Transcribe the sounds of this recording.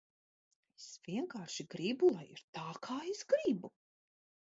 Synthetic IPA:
esv̥iɛŋkaːɾʃiɡɾibulˠajḭɾt̪aːkʰaːesɡɾibu

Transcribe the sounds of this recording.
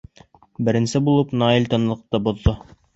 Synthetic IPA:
bɘ̆ɾɘ̆nsɘbulˠɤpnɑilʲt̪ɤ̆nlˠɤ̆q̚t̪ɤbŏðːo

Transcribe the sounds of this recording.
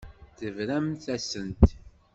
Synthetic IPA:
θəvɾæmθæsənt̪

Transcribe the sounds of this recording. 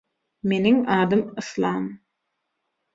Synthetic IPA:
me̞niŋɑːd̪ɯmɯslˠɑːm

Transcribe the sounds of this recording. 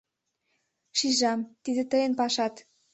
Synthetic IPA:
ʃiʒɑmt̪id̪ĕt̪ɤjɤnpɑʃɑt̪

